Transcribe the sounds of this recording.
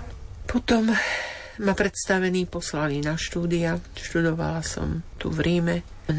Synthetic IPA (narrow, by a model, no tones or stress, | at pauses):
pɔt̪ɔm | mapɾɛt̪st̪aʋɛniːpɔslalinaʃt̪uːd̪iaʃt̪ud̪ɔʋa̰lasɔ̰mt̪ṵvɾiːmɛ